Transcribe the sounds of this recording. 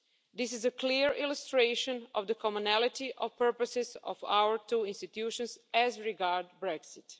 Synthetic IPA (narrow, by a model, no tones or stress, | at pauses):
d̪ɪs̬ɪzəkliɹilustɾeɪʃɔ̃nɔvd̪əkʰɔmunælˠɪt̪iʔɔʋpəɹpəsɪzɔ̰fa̰wəɹt̪uːĩnst̪it̪juʃɔ̃nsæzɹiɡaɹdbɾɛksɪt̪